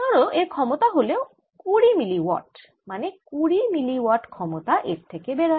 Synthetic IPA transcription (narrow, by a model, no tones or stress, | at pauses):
ɔɾoʔeɾkʰɔmot̪aɦoleo | kuɾimiliwɔ̰ʈ | manekuɾimiliwaʈkʰɔmot̪aʔḛɾt̪ʰekebeɾa